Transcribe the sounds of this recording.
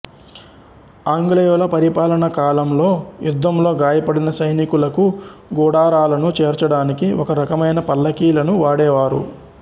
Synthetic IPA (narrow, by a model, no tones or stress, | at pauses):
aːŋɡlejoːlɐpɐɾipaːlɐɳɐkaːlɐmlo̞ːjud̪ːɐmlo̞ːɡaːjɐpɐɽinɐsɐjnikulɐkuɡɔːɽaːɾaːlɐnut͡ʃeːɾt͡ʃɐɽaːnikiʔɔkɐɾɐkɐmɐjnɐpɐlːɐkiːlɐnuʋaːɽɛːʋaːɾṵ